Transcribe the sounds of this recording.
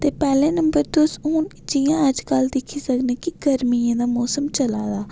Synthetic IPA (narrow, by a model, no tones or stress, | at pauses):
t̪eːpɛːleːnəmbəɾt̪ʊsuːn | d͡ʒɪjãːəd͡ʒkəld̪ɪkʰːiːsəknẽːkɪɡəɾmiːãːd̪aːmɔːsəmt͡ʃəlaːd̪aː